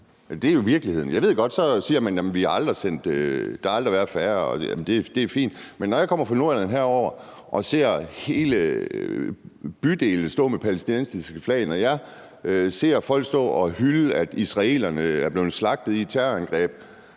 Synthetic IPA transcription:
æd̥eæɐjo̝ʋiɐɡ̥lihe̝ð̞̰ˠn̩jɑ̈ʋe̝ð̞̰ˠɡ̥ɒ̽d̥sɒ̽siːɐmænjæmnʋihɑ̈ɑ̈ld̥ʁisen̰d̥d̥ɑhɑ̈ɑ̈ld̥ʁiʋæɐ̥fæɐɒjæ̰mn̩d̥e̝d̥e̝fḭːnd̥menːɒjaɪkʰɒ̽m̰ɐfʰʁɑ̈no̝ɐ̰lænɦæɐ̰ɒʊ̰ɐ | ʔɒ̽se̝̰ɐ̰he̝ːlə | b̥yd̥e̝̰ːln̩sd̥ɔ̰̽ːmepʰælesd̥inensisɡ̥əflɛ̰ːnɒjɑɪ | se̝̰ɐ̰fɒ̽l̰ɡ̥sd̥ɔ̰̽ːɒ̽hylæd̥isʁɑ̈e̝̰ːlɐnəæɐb̥le̝ːð̩ˠslɑ̈ɡ̥̚d̥ð̩ˠit͡sʰæɐænɡ̥ʁɛ̰ːb̥

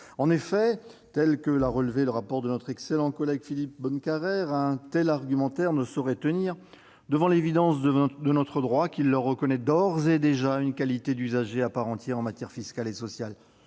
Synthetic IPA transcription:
ɑ̃nefɛt̪ɛlkəlaʁəlveləʁapɔʁd̪ənɔt̪χɛkselɑ̃kɔlɛɡfilip̚bɔnkʲaʁɛʁɛ̃t̪ɛlaʁɡʲymɑ̃t̪ɛʁnəsɔʁɛt̪əniʁ | d̪əvɑ̃levid̪ɑ̃sd̪ənɔt̪χəd̪ʁwakʲilːəʁːəkɔnɛd̪ɔʁzed̪eʒaynkalit̪ed̪yzaʒeapaʁɑ̃t̪jɛʁɑ̃mat̪jɛʁfiskʲalesɔsjal

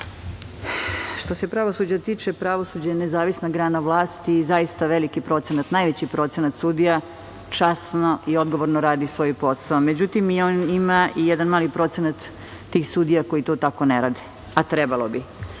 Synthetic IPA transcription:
ʃt̪o̞se̞pɾaʋo̞sud͡ʑat̪iːt͡ʃepɾaʋo̞suːd͡ʑanezaːʋisnaɡɾaːnaʋlˠaːst̪iːzaist̪aʋelikipɾo̞t̪senat̪najʋet͡ɕipɾo̞t̪senat̪sud̪ija | t͡ʃasnoʔio̞d̪ɡoʋoɾnoɾaːd̪isʋojipo̞saomed͡ʑut̪imioːnimaʔijɛd̪anmaːlipɾo̞t̪senat̪ː | iːxsud̪ijako̞jit̪oːt̪ako̞neɾaːd̪i̥ | at̪ɾebalo̞bi

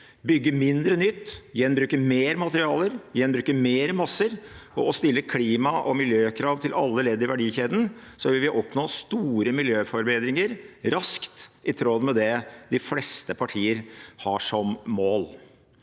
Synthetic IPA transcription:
bʏɡːəmɪnd̪ɾənʏt̪ːjɛnbɾʉːkəmeːɾmɑt̪əɾɪɑːləɾjɛnbɾʉːkəmeːɾəmɑsəɾʔɔɔst̪ɪlːəkʰliːmɑʔɔmɪljøːkʰɾɑːʋt̪ʰɪlʔɑ̰lːəleːd̪əɾɪʋæɖiːçeːd̪n̩ | sɔʋɪlʋɪʔɔpnɔːst̪uːɾəmɪljøːfɔɾbeːd̪ɾɪŋəɾɾɑskt̪ɪt̪ʰɾɔd̪mɛd̪ɛd̪ɪflɛst̪əpʰɑʈʰiːəɾhɑʂɔmmoːl

